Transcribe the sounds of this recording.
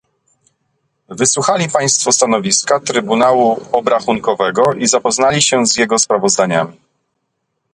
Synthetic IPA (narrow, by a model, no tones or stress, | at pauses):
vɘswuxalʲipaj̃st̪fɔst̪anɔvʲiskat̪ɾɘbunawuɔbɾaxuŋkɔvɛɡɔʔizapɔznalʲiɕɛzjɛɡɔspɾavɔzd̪aɲa̰mʲi